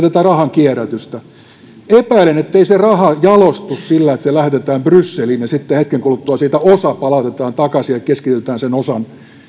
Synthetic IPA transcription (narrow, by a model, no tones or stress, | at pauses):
t̪æt̪ærɑhɑŋkiæræt̪yst̪æ | epæilenet̪ːeiserɑhɑjɑlost̪ussilːæet̪selæht̪et̪æːmbrysːeliːnjɑsit̪ːehet̪keŋkulut̪ːuɑsiːt̪æosɑpɑlɑt̪et̪ɑːnt̪ɑkɑsijɑkkeskit̪yt̪æːnsenosɑn